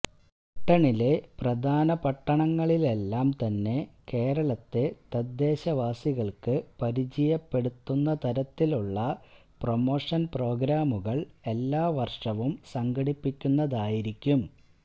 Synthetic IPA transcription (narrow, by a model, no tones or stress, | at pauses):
uʈːɐɳile̞prɐd̪ʱaːnɐpɐʈːɐɳɐŋːɐɭile̞lːaːmt̪ɐnːe̞ke̞ːrɐɭɐt̪ːe̞t̪ɐd̪ːe̞ːɕɐʋaːsiɣɐɭkɨpɐɾit͡ɕijɐpːe̞ɽut̪ːunːɐt̪ɐɾɐt̪ːiluɭːɐ | promo̞ːʂɐnpro̞ːɡɾaːmuɣɐɭe̞lːaːʋɐrʂɐʋumsɐŋɡɐɽipːikʲːunːɐðaːjiɾikʲːum